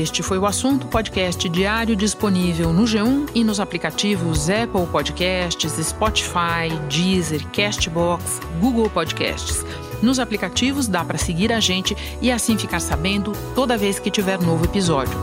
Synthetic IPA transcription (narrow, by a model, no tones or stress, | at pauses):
est͡ʃɪfojʊasũnt̪ʊpɔd͡ʒikɛst͡ʃɪd͡ʒiaɾjʊd͡ʒisponivewnʊʒeũɪnʊzaplikat͡ʃivʊzɛpowpɔd͡ʒikɛst͡ʃɪzɪspɔt͡ʃi̥fajd͡ʒizeɾkɛst͡ʃɪbɔks | ɡuɡewpɔd͡ʒikɛ̰st͡ʃɪ̥s | nʊzaplikat͡ʃivʊzd̪apɾɐseɡiɾaʒẽnt͡ʃɪ | ɪasĩfikaɾsabẽnd̪ʊt̪od̪ɐveskɪt͡ʃivɛɾnovʊepizɔd͡ʒʊ